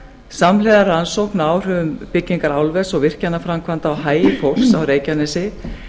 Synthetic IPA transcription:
samlɛðaɾansowhknaːwr̥ʏːvʏmpɪcːiŋkaɾawlvɛsɔɣvɪr̥canːafɾamkʰvant̪aawhaːjɪfowl̥ksawɾeːjcanɛsɪ

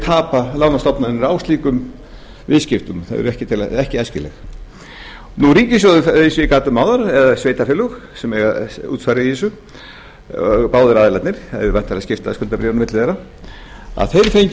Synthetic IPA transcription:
t̪ʰaːpalawnast̪ɔpnaðɪnɛɾawst̪liːkʏm | vɪðscɪft̪ʏmθa̰ðɛ̰ɾɛhcɪt̪ʰɪlɛhcɪɛscɪlɛ̰x | nuriːcɪ̥sjɔːðʏesɪkaːt̪ʏmaːwðaɾɛðasvejt̪afɪlʏxsɛmɛɣaṵːt̪sfaɾɪiɪsʏ | paːwðʏɾaːðɪlat̪nɪɾ̥a̰ðɪvajn̥t̪aθɾascɪft̪aðskʏlt̪apɾɛːvnmɪt̪lɪðejɾa | a̰ðθejɾfejɲ

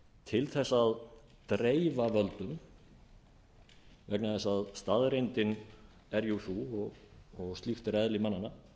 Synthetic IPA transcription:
t̪ʰɪlθɛsːað | t̪ɾeːjvavœlt̪ʏm | vɛknaθɛsːaðst̪aðɾejnt̪ɪn | ɛɾjuθuɔɣɔɣst̪lixt̪ɪɾɛðlɪmanːanːa

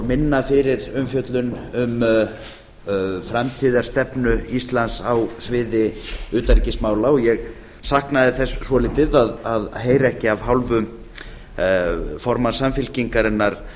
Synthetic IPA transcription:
ɾmɪnːafɪɾɪɾʏmfjœt̪lʏnʏm | fɾamt̪ʰiːðaɾ̥st̪ɛpnʏist̪lansawsvɪːðɪʏːt̪aɾicɪsmaːwlaɔjɛɣ | sahknaðɪθɛsːsvɔlɪːt̪ɪðaðaðɦeːjɾaɛhcɪavɦawlvʏ | fɔɾmasamfɪlciŋkaɾɪnːaɾ̥

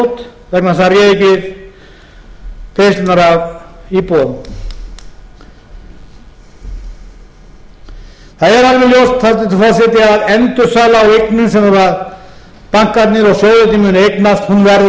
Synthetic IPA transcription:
t̪ | vɛknasarjɛðɪcɪɾ | kest̪naɾavipo | θaðɛɾavɾɪljowst̪θat̪ɪfasɛt̪ɪaðɛnt̪ʏɾsaːlaːweknʏnsɛmhɛvað | paŋ̥kat̪nɪɾɔɣsjoːwðʏt̪ʰiːmʏnejknast̪hunvɛɾð

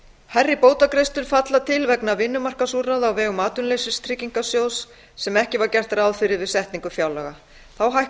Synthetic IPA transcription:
hɛrːɪpoːwt̪akɾejst̪ʏɾ̥fat̪lat̪ʰɪlvɛknavɪnːʏmar̥kasuraðawvɛːɣʏmaːt̪ʏnlejsɪst̪ʰɾɪcːiŋkasjoːwsː | ɛmɛhcɪvaɾcɛr̥t̪aɾaːwðfɪɾɪɾvɪðsɛht̪niŋkʏfjaːwlɛɣa | θawɦaj

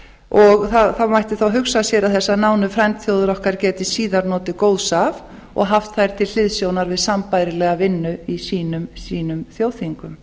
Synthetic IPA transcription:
ɔɣθaθawmajht̪ɪθawɦʏksasjɛːɾaðθɛsːanawnʏfɾɛnt̪θjowðʏɾɔhkaɾcɛːt̪ɪsiːðaɾnɔːt̪ɪkoːwðsav | ɔ̰ɣɦaft̪θajɾ̥t̪ʰɪll̥ɪðsjownaɾvɪðsampajɾɪlɛːɣavɪnːʏisiːnʏmsiːnʏmθjoːwθiŋkʏm

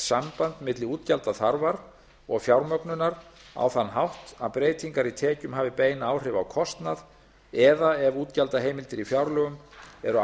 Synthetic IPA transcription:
sampant̪mɪt̪lɪuːt̪calt̪aθaɾvaɾ | ɔɣfjawɾmœknʏnaɾ | a̰wθanːɦawht̪aðpɾeːjt̪ʰiŋkaɾit̪ʰɛːcʏmɦaːvɪpeːjnaːwr̥ɪvawkʰɔst̪nað | ɛðaɛvuːt̪calt̪aɦeːjmɪlt̪ɪɾifjawɾlœɣʏmɛɾʏ

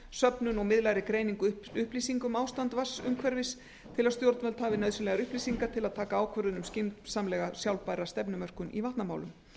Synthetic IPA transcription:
sœpnʏnɔɣmɪðlajɾɪkɾeːjniŋkʏ | ʏhpliːsiŋkʏmaːwst̪ant̪vasʏmkʰvɛɾvɪs | t̪ʰɪlaðst̪jowɾt̪nvɛlt̪haːvɪnœːðsʏnɛɣaɾʏhpliːsiŋkat̪ʰɪlaðt̪ʰaːkaaːwkʰvœɾðʏnʏmscɪnt̪saːmlɛɣasjawlpajɾast̪ɛpnʏmœr̥kʏnʔḭvaht̪nama̰ːwlʏm

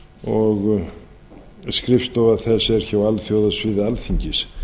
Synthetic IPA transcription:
ɔɣ | skɾɪfst̪ɔvaðθɛsɛɾ̥çaːwalθjowðasvɪðɪalθiɲcɪs

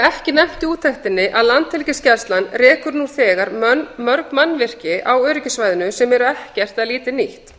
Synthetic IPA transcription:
ɛhcɪnɛjm̥t̪ɪuːt̪ʰːɛht̪ɪnːɪʔaðlant̪hɪlcɪscɛɾ̥st̪lanrɛːkʏɾnuθɛːɣaɾmœɾknmanːvɪr̥cɪʔawœːɾɪcɪsvajðɪnʏsɛmɛɾʏɛhcɛr̥t̪aðliːt̪ɪniht̪

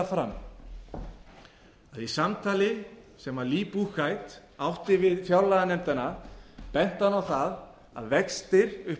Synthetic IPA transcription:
afɾamː | aðisamt̪ʰaːlɪsɛmaliːpukajt̪ | awht̪ɪvɪðfjawlaɣanɛmt̪anapɛn̥t̪anawθað | a̰ðvɛkst̪ɪɾʏ

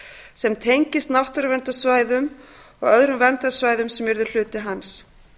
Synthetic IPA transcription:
sɛmt̪ʰejɲcɪst̪nawht̪ʏɾvɛnt̪asvaːjðʏmɔɣœðɾʏmvɛnt̪asvaːjðʏmsɛmɛɾðʏl̥ʏːt̪ɪɦans

